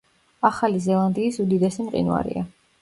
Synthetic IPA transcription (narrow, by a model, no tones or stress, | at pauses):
aχalizɛlˠand̪iːsud̪id̪ɛsimqʼḭnwa̰ɾḭa